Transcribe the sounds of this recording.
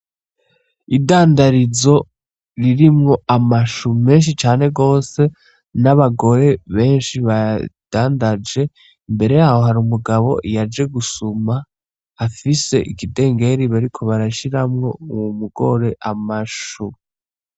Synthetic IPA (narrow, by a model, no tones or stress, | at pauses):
idaːndaɾizo̞ | ɾiɾimŋo̞ʔamaʃume̞ːnʃ̬it͡ʃaːne̞ɡo̞ːse̞ | naβaɡo̞ɾe̞βe̞ːnʃiβad̥aːndad͡ʒe̞ | mbe̞ɾe̞jaːho̞ɦaɾumuɡaβo̞̰jad͡ʒe̞ɡusumaː | fise̞ʔikide̞ːŋɡe̞ɾiβaɾikʰo̞βaɾaʃiɾamŋo̞uwumuɡo̞ɾe̞ʔamaʃu